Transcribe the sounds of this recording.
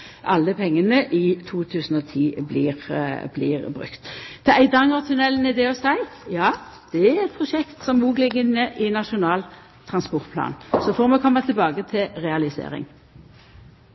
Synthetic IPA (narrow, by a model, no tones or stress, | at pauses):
ʔɑ̰lːəpʰɛŋːənəʔɪt̪ʰuːt̪ʰʉːsn̩ɔt̪ʰiːbliːʁblḭːʁbʁʉ̰kt̪ʰɛæɪd̪ɑŋɑʁt̪ʰʉnɛlːnɪd̪ɛɔsæɪjɑːd̪̥ɛæɛt̪̚pʰʁʊʂɛkt̪sɔmuːɡlɪɡɪnːəʔɪnɑʂʊnɑːl | t̪ʰʁɑnspɔʁt̪̚pʰlɑ̰ːnsɔfɔʁmɛkʰɔmːət̪ʰɪlbɑːɡət̪ʰɪlʁɛɑlɪsḛːɾɪ̰ŋ